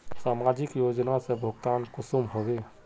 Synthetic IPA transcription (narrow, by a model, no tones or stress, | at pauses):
saːmad͡ʒɪkjoːd͡ʒnasebʱʊɡt̪aːnkʊsumɦobe